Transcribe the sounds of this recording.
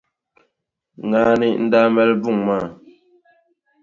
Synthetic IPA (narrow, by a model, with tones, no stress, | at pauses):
ŋa˨˦ni˨ʔn̩˦da˦mɛ˦lbu˦˨ŋma˦˨